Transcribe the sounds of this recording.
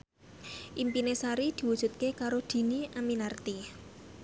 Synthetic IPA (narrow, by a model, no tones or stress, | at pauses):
ʔimpinesaɾid̪̥i̤wud̥ʒ̥ṳt̪̚kekaɾod̪̥i̤niʔaminart̪i